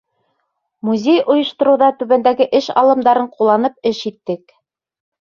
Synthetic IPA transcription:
muzʲejŏjɤ̆ʃt̪ŏɾɤ̆wðɑt̪ʉβænd̪æɡɘʔɘʃɑ̰lˠɤ̆md̪ɑɾɤɴqulˠːɑnɤp̚ɘʃit̪ːɘk

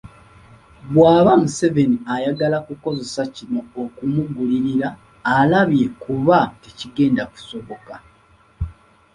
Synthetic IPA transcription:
bwaːβamuse̞ve̞niajaɡalakuko̞ze̞sacinoːkumuɡuliɾiɾaː | laβje̞kuβateciɡe̞ːndaku̥so̞βo̞ka

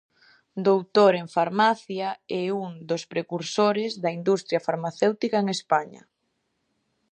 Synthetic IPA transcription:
d̪owt̪oɾeŋfaɾmaθjaɛuŋd̪ospɾekuɾsoɾezðɐind̪ust̪ɾjɐfaɾmaθewt̪ikaeŋespaɲɐ̰

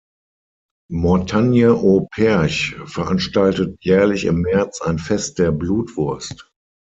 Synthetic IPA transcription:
mɔɐtʰanjəʔopʰɛɐçfɛɐʔanʃtaltətjɛːɐlɪçɪ̰mːɛɐt͡saɪnfɛst̚d̥eːɐbluːtv̥ʊɐst

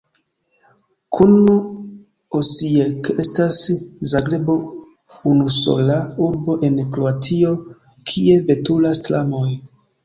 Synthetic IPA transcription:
kʰunu | osieke̞staszaɡɾebo̞ | unuso̞̰lauɾbo̞ʔe̞nkɾoatʰio̞ | kʰie̞ve̞tulastlamoj

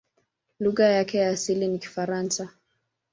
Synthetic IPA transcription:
luɣajakɛjaːsiliniki̥faɾansa

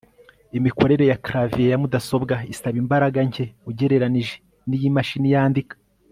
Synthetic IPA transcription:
imiko̞ɾe̞ɾe̞jakɾavijajamudaso̞bɡaisaβimbaɾaɡaɲɟe̞uɟe̞ɾe̞ɾaniʒe | nijimaʃinijaːndikḁ

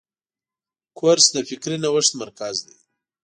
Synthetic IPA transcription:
kʰoɾsd̪əfɪkɾinawəʂt̪maɾkazd̪aj

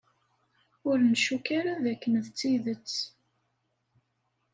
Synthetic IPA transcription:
ʊɾnʃukaɾaðækːənðt͡sːiðət͡sː

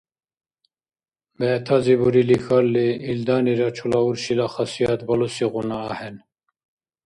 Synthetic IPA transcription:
bɛt̪ʰazibuɾilixalːiild̪aːniɾɑt͡ʃʰulauɾɕilaxɑsijɑt̪bɐlusiɣunaːhɛn

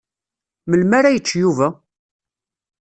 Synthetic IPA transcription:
məlmaɾajət͡ʃːjuvæ

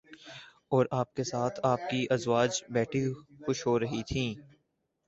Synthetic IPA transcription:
ɔːɾaːp̚kesaːt̪ʰaːp̚kiʔɐzwaːd͡ʒbɛːʈʰixʊʃɦoːɾɐɦit̪ʰĩː

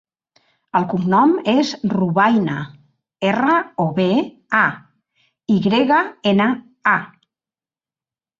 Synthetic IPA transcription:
əlˠkumnɔmezruβajna | erəoβe | a | iɣɾeɣaenə | a

